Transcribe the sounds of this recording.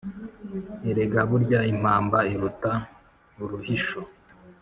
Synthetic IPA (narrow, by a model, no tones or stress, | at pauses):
iɾeɡaβuɾɟaim̥aːmbaiɾuta | uɾuhiʃo